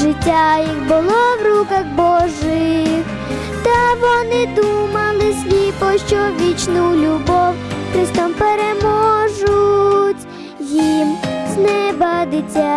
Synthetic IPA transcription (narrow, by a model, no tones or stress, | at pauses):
ʐɪtʲːajixbʊlˠɔʋrukɐɣbɔʒɪx | t̪ɐʋɔnɪd̪umɐlˠɪsʲlʲipɔʃt͡ʃɔʋʲit͡ʃnʊlʲubɔwkɾɪst̪ɔmpeɛɾemɔʒʊtʲ | jimsnɛbɐd̪ɪtʲːa